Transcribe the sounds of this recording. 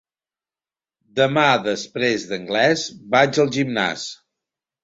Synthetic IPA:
d̪əmaðəspɾezðəŋɡlɛzbad͡ʒəlˠʒimna̰s

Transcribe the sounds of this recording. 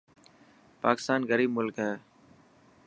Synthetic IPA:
paːkɪst̪aːnɣəɾiːbmʊlkɦɛː

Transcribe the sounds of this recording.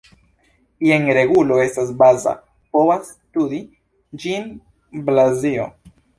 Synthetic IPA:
ieŋɾeɣuloest̪asbaza̰ | powas | t̪uði | d͡ʒin | blazio

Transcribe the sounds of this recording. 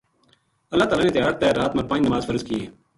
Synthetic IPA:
əlːaːt̪aːlaːneːt̪ɪjaːɾt̪eːɾaːt̪mə̃ɾpãnnəmaːzfʰəɾzkɪeː

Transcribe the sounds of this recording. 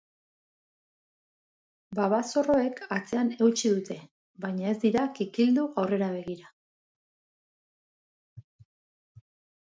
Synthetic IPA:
baβaso̞ro̞e̞kʰat͡se̞ane̞wt͡ʃiðut̪e̞ | βajɲae̞zd̪iɾakikild̪uɣawre̞ɾaβ̞e̞ɣiɾa

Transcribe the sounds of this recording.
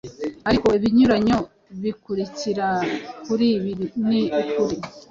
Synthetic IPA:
aɾiko̞iβiɲuɾaɲo̞ | βikuɾiciɾakuɾiβiɾiniukuɾi

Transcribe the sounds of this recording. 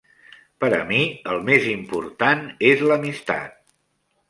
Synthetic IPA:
pəɾə̰miəlˠmezimpuɾt̪anezləmist̪a̰t̪̚

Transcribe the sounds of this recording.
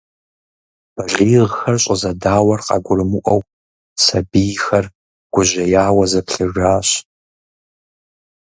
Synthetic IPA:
b̥ɐʒiːʁxɐrɕʼəzɐdaːwɐrqɑ̰ɡʷʊrɨmɨʔʷɐw | sɐbijxɐr | ɡ̥ʷʊʑɐjaːwɐzɐpɬɨʒaːɕ

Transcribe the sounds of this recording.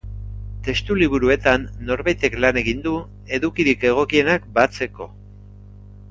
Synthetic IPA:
t̪e̞st̪uliβ̞uɾue̞t̪anːo̞ɾβajt̪e̞klane̞ɣind̪u | e̞ðukiɾike̞ɣ̞o̞kie̞nakbat͡se̞ko̞

